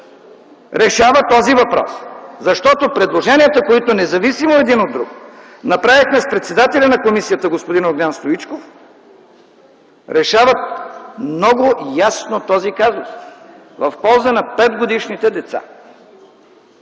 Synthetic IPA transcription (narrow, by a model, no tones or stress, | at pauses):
ɾɛʃavət̪ɔzivɐpɾɔ̰szɐʃt̪ɔt̪opɾɛd̪lˠoʒɛniət̪əkoit̪onɛzɐvisimoɛd̪inod̪ːɾuk | nɐpɾavixmɛspɾɛt̪sɛd̪at̪ɛlʲɐnɐkomisijət̪əɡospod̪inoɡlʲanst̪oit͡ʃkof | ɾɛʃavət̪̚mmnɔɡʊjasnot̪ɔzikazʊ̰s | vəfpɔlˠzənɐpɛd̪ɡod̪iʃnit̪ɛd̪ɛt̪sa̰